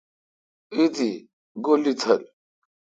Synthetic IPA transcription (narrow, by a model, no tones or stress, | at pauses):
id̪i | ɡolit͡s̪ʰɐl